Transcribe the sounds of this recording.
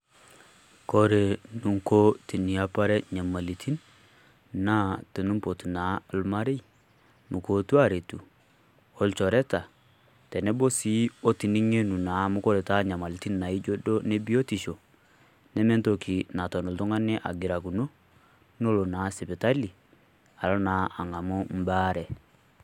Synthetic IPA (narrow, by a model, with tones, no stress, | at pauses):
kɔ˦ɾe˨nu˨ŋko˦ti˨ni˨a˦pa˦ɾɛ˦ɲa˨ma˨li˨tʰi˦n | na˦te˨nu˦mpo˨ti˨na˨˦˨lma˦ɾe˦i | nu˨ko˨tu˦a˦˨ɾe˨tu˨ | ɔ˦lt͡ʃɔ˨ɾɛ˦ta˨ | tɛ˨nɛ˦bo˦si˦o˦ti˨ni˦ŋe˦nu˨na˨mʊ˦ko˦ɾɛ˨ta˦ɲa˨ma˨li˨ti˦nːa˨i˦d͡ʒo˦do˦ne˦bi˦o˦ti˨ʃo˨ | nɛ˦mɛ˦nto˨kʰi˨na˨tɔ˨no˨ltu˦ŋa˦nɛ˦ʔa̰˨ɡɪ˨ɾa˨ku˨no˦ | n˦o˦lo˨naː˨˦sɪ˨pɛ˨ta˦li˨ | a˨lɔ˦na˨˦a˨ŋa˨mo˦m̩˦baː˦ɾɛ˨